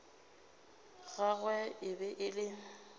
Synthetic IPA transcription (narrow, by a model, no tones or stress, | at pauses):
ɣaɣwɛɪbɛʔɪlɪ